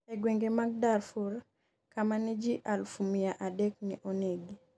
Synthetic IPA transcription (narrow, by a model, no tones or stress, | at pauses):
eɡweŋɡemaɡ̚darfuɾ | kamanid͡ʒiʔalfumijaʔadɛk̚nḭʔoneɡi